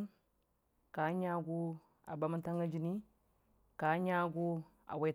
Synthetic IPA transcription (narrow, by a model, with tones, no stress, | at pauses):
n | ka˨˦ɲa˦ɡu˦ | a̰˨ba˨˦ma˦nta˦ŋɡa˦d͡ʒi˨ni˦ | ka˨˦ɲa˦ɡu˦ | a̰˨wa˨˦